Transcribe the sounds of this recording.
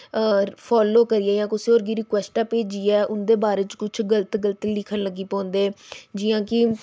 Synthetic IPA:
pʰɔːloːkəɾɪjaːjãːkʊsioːɾɡiːɾɪkwɛːsʈaːpeːd͡ʒiːɛːʔʊnd̪eːbaːɾeːt͡ʃkʊt͡ʃʰɡələt̪ɡələt̪ilɪkʰənləɡːiːpɔ̃ːnd̪eːd͡ʒɪjãːkɪ

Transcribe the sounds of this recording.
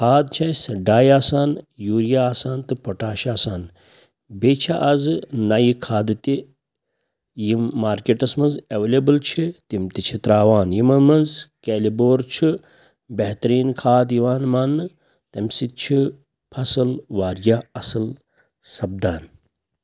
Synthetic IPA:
kʰaːd̪t͡ʃʰɐjsɖaːjaːsaːnjuːɾjaːsaːnt̪ɨpoʈaːʃaːsaːn | bet͡ʃʰaʔɐzɨnajikʰaːd̪ɨt̪i | jimːaːɾkeʈɐsmɐnzɐʋelebɨlt͡ʃʰit̪imt̪it͡ʃʰit̪ɾaːʋaːnjimɐmɐnzkeːliboːɾt͡ʃʰi | beɦt̪ɐɾiːnkʰaːd̪jiʋaːnmaːnːɨ | t̪ɐmsit̪̚t͡ʃʰi | pʰɐsɨlʋaːɾjaɐsɨl | sɐb̚d̪aːn

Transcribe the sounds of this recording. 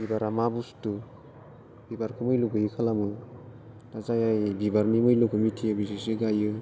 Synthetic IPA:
bibaɾamabustu | bibaɾkʰɯmɯjluɡɯjɯkʰalamɯ | tazajajbibaɾnimɯjlukɯmitʰijɯbisisiɡajɯ

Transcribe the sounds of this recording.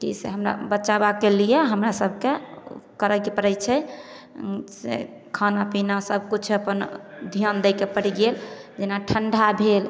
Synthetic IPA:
kḭsḛɦəmɾa̰bət͡ʃabakelijɛɦəmɾasəbʱkekəɾəkipəɾət͡ʃʰɛ | sḛ | kʰanapinasəb̚ʱkut͡ʃʰəpənd̪ʱijənd̪əjkepəɽiɡeld͡ʒenaʈʰəɳɖʱabʱel

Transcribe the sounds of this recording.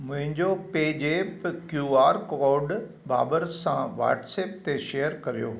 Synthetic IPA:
mʊ̃ɦɪ̃ɲd͡ʑopeːd͡ʑeːpkjuːaːɾkɔːɾɖ | ba̰ːbəɾsãʋa̰ːʈseːp̚t̪eʃejəɾkɐɾijo̰ː

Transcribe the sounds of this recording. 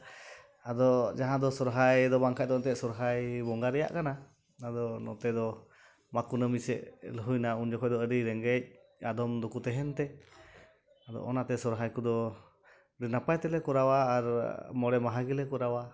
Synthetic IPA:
ad̪ɔd͡ʒaɦãd̪ɔsɔɾɦajd̪ɔbaŋkac̚t̪ɔnt̪ɛʔsɔɾɦajbɔŋɡaɾɛja̰ʔkana | nad̪ɔnɔ̰t̪ɛd̪ɔ | makunəmisɛ̰ʔləɦujnaund͡ʒɔkɔjd̪ɔəɾiɾɛŋɡɛc̚ | ad̪ɔmd̪ɔkut̪ɛɦɛnt̪ɛ | ad̪ɔ̰ʔɔ̰nat̪ɛsɔɾɦajkud̪ɔ | ɾinapajt̪ɛlɛkɔɾawaːɾmɔɽɛmaɦaɡilɛkɔɾawa

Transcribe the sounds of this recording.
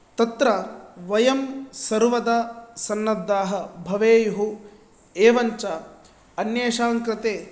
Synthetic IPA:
t̪ɐt̪ɾɐʋɐjɐmsɐɾʋɐd̪ɐsɐnːɐd̪ːaːɦɐbʱɐʋeːjɦu | eːʋɐɲt͡ʃɐ | ɐnjeːʃaːŋkɾɪt̪eː

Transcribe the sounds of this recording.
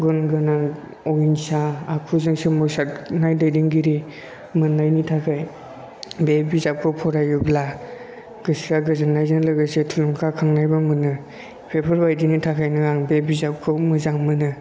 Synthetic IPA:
ɡɯnɡɯnaŋ | ɔinsaːkʰuzɯŋsemɔsatnajdajdiŋɡiɾi | mɯnːajnitʰakʰaj | bebizap̚kʰɯpʰɔɾajubla | ɡɯsiaɡɯzanːajzɯŋlɯɡɯsetʰuluŋkʰakʰaŋnajbamɯnɯ | pʰepʰɯɾbajdinitʰakʰajnɯaŋbebizap̚kʰɯmɯzaŋmɯnɯ

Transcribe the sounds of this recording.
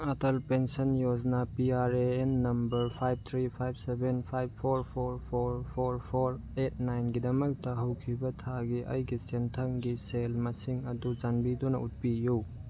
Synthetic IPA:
ɐtɐlpensɐnjod͡ʒnapiaɾeenːɐmbɐɾpʰajb̚t̪ʰɾipʰajb̚sebenpʰajb̚pʰoɾpʰoɾpʰoɾpʰɾpʰoɾ | et̚ʰnajnɡidɐmɐk̚tɐɦɐwkʰibɐtʰaɡiʔɐ̰jɡisentʰɐŋɡiselmɐsiŋɐdud͡ʒanbidunɐ̰ut̚piju

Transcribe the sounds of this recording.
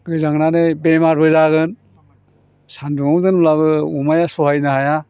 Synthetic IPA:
ɡɯjzaŋnanɯjbemaɾbɯzaɡɯn | sanduŋɔmdɯnulaβɯumajasɔɦajnɯhaja

